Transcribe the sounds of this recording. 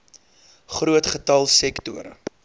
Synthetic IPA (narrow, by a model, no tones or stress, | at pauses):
χruətχətɐlˠsɛktuəɾə̰